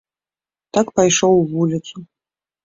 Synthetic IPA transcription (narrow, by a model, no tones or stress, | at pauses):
t̪akpajʂowvulʲisʰʼu